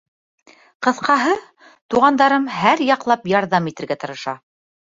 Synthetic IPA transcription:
qɤ̆θqɑɦɤ | t̪uʁɑnd̪ɑɾɤmhæɾjɑqlˠɑpjɑɾðɑmit̪ɘ̆ɾɡæt̪ɤ̆ɾɤ̆ʃɑ

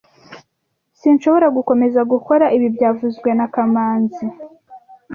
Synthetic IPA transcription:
sinʃoβo̞ɾaɡuko̞me̞zaɡuko̞ɾaʔiβibɟaːvuzɡwe̞nakamaːnzi

